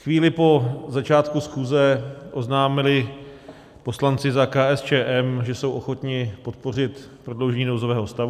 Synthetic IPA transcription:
xviːlɪpo̞zat͡ʃaːt̪kusxuːzɛʔo̞znaːmɪlɪ | po̞slant͡sɪzakaːʔɛst͡ʃɛːʔɛmʒɛso̞wʔoxo̞t̪ɲɪpo̞t̪̚po̞r̝ɪt̪ | pɾodlowʒɛɲiːnowzovɛːɦo̞st̪avu

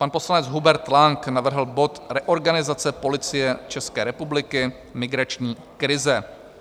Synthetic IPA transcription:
panpo̞slanɛd͡zɦubɛɾt̪laŋknavr̩ɦl̩bo̞t̪ɾɛʔo̞ɾɡanɪzat͡sɛpo̞lɪt͡sɪjɛt͡ʃɛskɛːɾɛpublɪkɪ | mɪɡɾat͡ʃɲiː | kɾɪzɛ

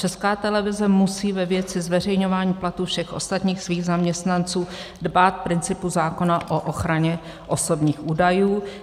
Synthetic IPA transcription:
t͡ʃɛskaːt̪ɛlɛvɪzɛmusiːvɛvjɛt͡sɪzvɛrɛjɲo̞vaːɲiːplat̪uːfʃɛxʔo̞st̪at̪ɲiːxsviːɣzamɲɛst̪nant͡suː | dbaːt̪̚pɾɪnt͡sɪpuzaːko̞naʔoʔoxɾaɲɛ | ʔo̞so̞bɲiːxʔuːdajuː

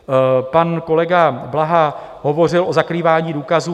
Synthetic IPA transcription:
panko̞lɛɡablaɦa | ɦo̞vo̞r̝ɪlʔo̞zakɾiːvaːɲiːduːkazuː

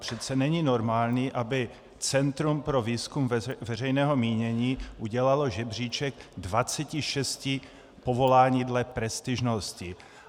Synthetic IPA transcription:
pr̝̥ɛt̪t͡sɛnɛɲino̞ɾmaːlɲiːʔabɪ | t͡sɛnt̪ɾumpɾo̞viːskumvvɛr̝ɛjnɛːɦo̞miːɲɛɲiːʔuɟɛlaloʒɛbr̝iːt͡ʃɛɡdvat͡sɛcɪʃɛscɪ | po̞vo̞laːɲiːdlɛpɾɛst̪ɪʒnoscɪ

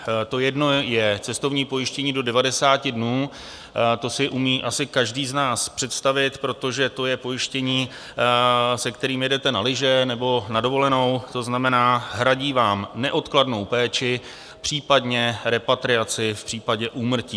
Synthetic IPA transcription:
t̪o̞jɛdno̞jɛt͡sɛst̪o̞vɲiːpo̞jɪʃcɛɲiːdo̞dɛvadɛsaːcɪdnuː | t̪o̞sɪʔumiːʔasɪkaʒdiːznaːspr̝̥ɛt̪st̪avɪt̪pɾo̞t̪o̞ʒɛt̪o̞jɛpo̞jɪʃcɛɲiː | sɛkt̪ɛɾiːmjɛdɛt̪ɛnalɪʒɛnɛbo̞nado̞vo̞lɛno̞wt̪o̞znamɛnaːɦɾaɟiːvaːmnɛʔo̞t̪kladno̞wpɛːt͡ʃɪ | pr̝̥iːpadɲɛɾɛpat̪ɾɪat͡sɪfpr̥iːpaɟɛʔuːmr̩ciː

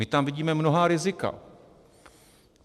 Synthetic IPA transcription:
ɪt̪amviɟiːmɛmno̞ɦaːɾɪzɪka̰

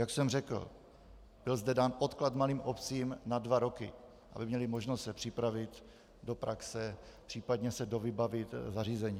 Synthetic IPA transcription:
jaksɛmrɛkl̩ | b̥ɪlzdɛdaːnʔo̞t̪klat̪maliːmʔopt͡siːmnadvaɾo̞kɪ̰ | ʔa̰bɪmɲɛlɪmoʒnost̪sɛpr̝̥ɪpɾavɪt̪ | do̞pɾaksɛpr̝̥iːpadɲɛsɛdovɪbavɪt̪zar̝iːzɛɲiː

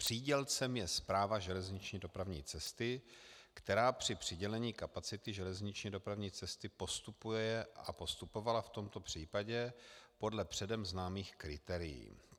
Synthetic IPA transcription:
pr̝̥iːɟɛlt͡sɛmjɛspɾaːvaʒɛlɛzɲɪt͡ʃɲiːdo̞pɾavɲḭːt͡sɛst̪ɪkt̪ɛɾaːpr̝̥ɪpr̝̥ɪɟɛlɛɲiːkapat͡sɪt̪ɪʒɛlɛzɲɪt͡ʃɲido̞pɾavɲiːt͡sɛst̪ɪpo̞st̪upujɛɛʔa̰po̞st̪upo̞valaft̪o̞mt̪o̞pr̝̥iːpaɟɛpo̞dlɛpr̥ɛdɛmznaːmiːxkɾɪt̪ɛːɾɪjḭː

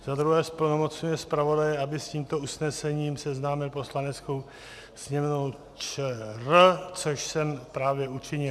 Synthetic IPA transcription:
zad̪ɾuɦɛːspl̩nomot͡sɲujɛspɾavo̞dajɛabɪsciːmt̪o̞usnɛsɛɲiːmsɛznaːmɪlpo̞slanɛt͡skow | sɲɛmnow | t͡ʃɛrt͡soʃsɛmpɾaːvjɛut͡ʃɪɲɪl

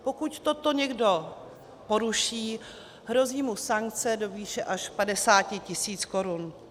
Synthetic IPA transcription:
po̞kuct̪ot̪o̞ɲɛɡdo̞ | po̞ɾuʃiː | ɦɾo̞ziːmusaŋk̚t͡sɛdo̞viːʃɛʔaʃpadɛsaːcɪcɪsiːt͡sko̞ɾun

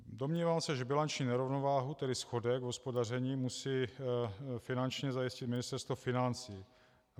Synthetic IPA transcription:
domɲiːvaːmsɛʒɛbɪlant͡ʃɲiːnɛɾovno̞vaːɦut̪ɛdɪsxo̞dɛɡvɦospodar̝ɛɲiːmusiː | fɪnant͡ʃɲɛzajɪscɪt̪mɪnɪst̪ɛɾst̪vofɪnant͡siː

